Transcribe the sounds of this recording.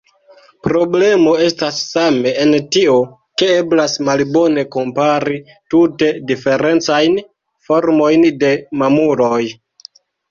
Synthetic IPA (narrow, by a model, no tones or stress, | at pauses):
pɾo̞ble̞mo̞e̞stasːame̞entio̞ | ke̞e̞blasmalbo̞ne̞ko̞mpaɾi | tute̞dife̞ɾe̞nt͡sajn | fo̞ɾmo̞jnde̞mamuɾo̞j